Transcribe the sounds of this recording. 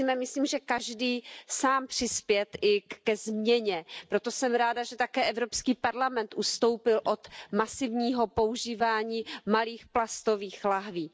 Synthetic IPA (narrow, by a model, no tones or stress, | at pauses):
imɛmɪsliːmʒɛkaʒdiːsaːmpr̥ɪspjɛt̪ʔɪkɛzmɲɛɲɛpɾot̪o̞sɛmɾaːdaʒɛt̪akɛːʔɛvɾopskiːpaɾlamɛnt̪ʔust̪o̞wpɪlʔo̞t̪masɪvɲiːɦopouʒiːvaːɲiːmaliːxplast̪oviːxlaɦviː